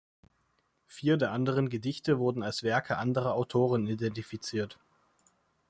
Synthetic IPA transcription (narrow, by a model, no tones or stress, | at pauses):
fiːɐdeːɐʔandəʁ̞ənɡədɪçtəvʊɐdn̩alsv̥ɛɐkʰəʔandəʁ̞ɐaʊtʰoːʁ̞ənidɛntifit͡siːɐt